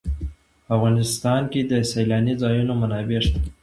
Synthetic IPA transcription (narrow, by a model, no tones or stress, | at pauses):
afɣɑnɪst̪ɑnked̪əsalɑnizɑjunomanɑbeʂt̪ḁ